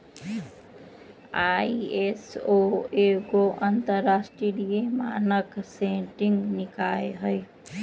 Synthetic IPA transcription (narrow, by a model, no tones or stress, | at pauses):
aːiesoekoʔənt̪əɾːaːsʈɾilijemaːnəksẽʈɪ̃ŋɡnɪkaːeɦəj